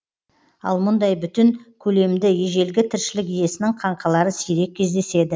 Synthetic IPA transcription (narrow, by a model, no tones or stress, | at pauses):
ɑ̰lˠmʊnd̪ɑjbʏt̪ɪŋkʲʰɵle̞md̪ɪje̞ʒe̞lɡʲɪt̪ʰɪɾʃɪlɪkije̞sɪnɪŋqʰɑɴqʰɑlˠɑɾəsijɾe̞k̚ʲʰːe̞zd̪e̞se̞d̪ɪ